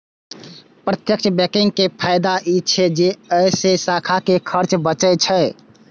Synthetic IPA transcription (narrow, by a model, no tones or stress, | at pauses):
pɾət̪jəkt͡ʃʰbɛkiŋɡ̚kepʰaɪd̪aʔit͡ʃʰed͡ʒeəjsesakʰakekʰəɾt͡ʃbət͡ʃət͡ʃʰə